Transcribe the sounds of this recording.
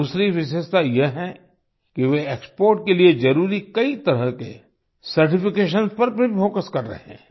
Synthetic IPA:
uːsɾiʋɪʃəst̪ajeɦɛ̃ | kiʋeeːkspoːɾʈ̚kelied͡ʒɐɾuːɾikɐit̪ɐɾəɦkḛ | sɐɾʈɪfɪkeːʃ̬ənzpɐɾbʱifoːkəskɐɾːɐ̰ɦɛ̰̃ː

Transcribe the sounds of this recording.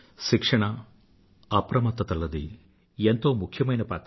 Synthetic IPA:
ʃikʂɐɳɐ | ɐpɾɐmɐt̪ːɐt̪ɐlːɐd̪i | ent̪o̞ːmukʰjɐmɐjnɐpaːt̪

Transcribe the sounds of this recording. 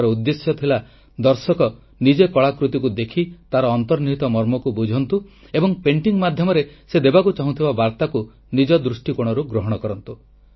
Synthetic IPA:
ɾɔud̪ːesjɔt̪ʰila | d̪ɔɾsɔkɔ | nid͡ʒekɔɭakɾut̪ikud̪ekʰit̪aɾɔːnt̪ɔɾniɦit̪ɔmɔɾmɔkubud͡ʒʱɔnt̪u | ebɔŋpeɳʈiŋmad̪ʱjɔmɔɾesed̪ebakut͡ʃaɦũt̪ʰibabaɾt̪aku | nid͡ʒɔd̪ɾusʈikuɽ̃ɔɾuɡɾoɦɔɽ̃ɔkɔɾɔnt̪u

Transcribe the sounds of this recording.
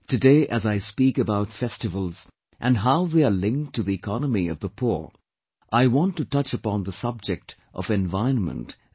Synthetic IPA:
tɨdeɪʔɨzaɪspikɨbaʊtfɛstɨvəl̩ˠz̥ | ʔɨ̃nɦaʊðeɪə˞lɪ̃ŋk̚tʰɨðiɨkʰɑnəmiʌ̰vðəpʰuɹ | ʔaɪwɑ̃ntɨtʌt͡ʃəpɑ̃nðəsʌb̚d͡ʒɨk̚tʔʌ̰vɛ̃nvaɪə̃nmə̰̃nt

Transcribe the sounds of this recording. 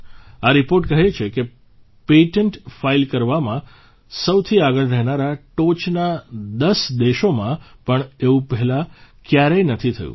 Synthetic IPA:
aɾipoɾʈkəɦet͡ʃʰeke | peʈəɳʈfailkəɾʋamã | səwt̪ʰiaɡəɭɾɛɦnaɾaʈot͡ʃnad̪əsd̪eʃomãpəɳeʋũpɛɦɛla | kjaɾenət̪ʰit̪ʰə̰jṵ̃

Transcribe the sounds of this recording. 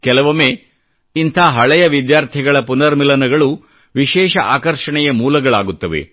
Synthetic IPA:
kɛlɐʋɐmeː | int̪ʰɐːɦɐɭɐjɐʋid̪jaːɾt̪ʰiɡɐɭɐpunɐɾmilɐnɐɡɐɭu | ʋiʃɛːʃɐʔaːkɐɾʂɐɳɛjɐmuːlɐɡɐɭaːɡut̪ːɐʋḛ

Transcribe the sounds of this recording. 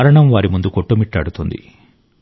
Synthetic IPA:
ɾɐɳɐmʋaːɾimund̪ukoʈːumiʈːɐɽut̪und̪ḭ

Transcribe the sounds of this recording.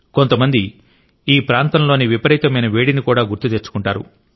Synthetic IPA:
ko̞nt̪ɐmɐnd̪i | iːpɾaːnt̪ɐnlo̞ːniʋipɐɾiːt̪ɐmɐjnɐʋeːɽinikuːɽaːɡuɾt̪ut̪eːɾt͡ʃu̥kuɳʈaːɾṵ

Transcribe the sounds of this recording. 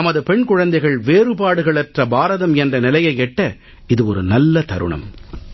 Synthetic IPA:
nɐmɐðɯpɛɳkʊɻɐnd̪ɐɪɣɐɭʋeːɾɯpaːɽɯɣɐɭɛtrɐbaːɾɐðɐmɛndrɐnɪlɐjɐɪɛʈːɐ | ɪðɯɔɾɯnɐlːɐt̪ɐɾɯ̰ɳɐ̰m

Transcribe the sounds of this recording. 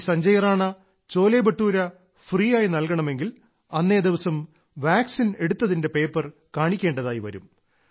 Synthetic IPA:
sɐɲd͡ʑɐjɐraːɳɐ | t͡ɕo̞ːlejbɐʈːuːɾɐ | friːjaːjinɐlkɐɳɐme̞ŋɡil | ɐnːe̞ːd̪iʋɐsɐm | ʋaːksine̞ɽut̪ːɐðinde̞pe̞ːpːɐrkaːɳikʲːe̞ːɳɖɐðaːjiʋɐ̰ɾṵm

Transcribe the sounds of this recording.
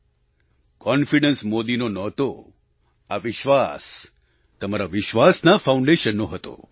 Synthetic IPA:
kɔnfiɖənsmod̪inonɔt̪o | aʋɪʃʋas | t̪əmaɾaʋɪʃʋasnafaũɳɖeʃənːoɦət̪o̰

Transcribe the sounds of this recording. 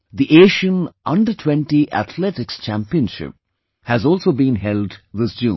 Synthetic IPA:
d̪iʔeːʃə̃nʔʌ̃ɳɖəʈʰwɛ̃nʈiʔæ̰t̪ʰlɛʈɪkst͡ʃæ̃mpiə̃nʃɪ̰p̚ | hæzɔːlˠsoːbĩːnɦɛlɖðɪsd͡ʒũ

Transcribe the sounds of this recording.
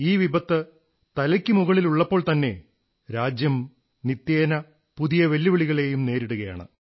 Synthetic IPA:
iːʋibɐt̪ːɨ | t̪ɐlɐkʲːɨmuɣɐɭiluɭːɐpːo̞ːɭt̪ɐnːe̞̰ | ɾaːd͡ʑjɐm | nit̪jeːnɐ | puðijɐʋe̞lːiʋiɭiɣɐɭe̞ːjumne̞ːɾiɽuɣɐja̰ːɳɨ̰

